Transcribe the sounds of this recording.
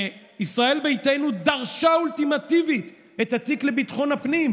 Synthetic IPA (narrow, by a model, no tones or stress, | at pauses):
isʁae̞lbejt̪ejnud̪aʁʃaultimat̪ivit̪ | et̪hat̪ikle̞bit̪χo̞napnim